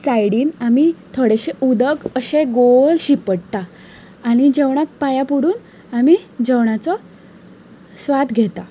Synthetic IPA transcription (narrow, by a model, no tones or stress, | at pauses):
sajɽiːnamit̪ʰoɽeɕeud̪əkəɕeɡolɕipəɽt̪aː | ñid͡ʑeʋɳ̃ak̚pajapuɽuːn | amid͡ʑeʋɳ̃at͡sɔ | sʋad̪ɡʱet̪a